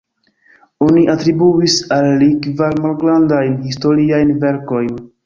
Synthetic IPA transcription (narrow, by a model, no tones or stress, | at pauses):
oniʔatɾibuisalːikvalmalɡɾandajnhisto̞ɾiajnve̞ɾko̞jn